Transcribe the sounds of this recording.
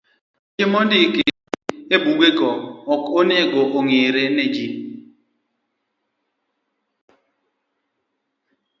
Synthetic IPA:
t͡ʃɪmɔdikɪ | ebuɡekɔɔkoneɡɔʔoŋeɾened͡ʒi

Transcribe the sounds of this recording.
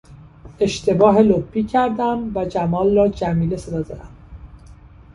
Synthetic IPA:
e̞ʃt̪ʰe̞bɒːɦe̞lobbiːcʰæɾd̪æmvæd͡ʒæmɒːlrɒːd͡ʒæmiːle̞se̞d̪ɒːd̪ɒɾæm

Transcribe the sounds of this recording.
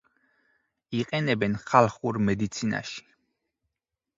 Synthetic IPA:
iqʼɛnɛbɛnχalˠχuɾmɛd̪it̪sʰina̰ʃi̥

